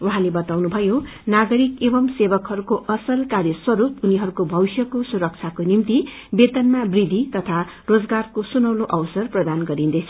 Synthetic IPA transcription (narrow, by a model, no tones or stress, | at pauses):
uɦãlebʌt̪awnubʱʌjonaɡʌɾikebʌmsebʌkɦʌɾukoʔʌsʌlkaɾjʌswʌɾupuniɦʌɾukobʱʌisjʌkosuɾʌk̚t͡sʰakonimt̪i | bet̪ʌnmabrid̪ʱit̪ʌt̪ʰa | rod͡zɡarkosunʌwnoʔʌwsʌrprʌd̪anɡʌɾind̪ʌjt͡sʰʌ̥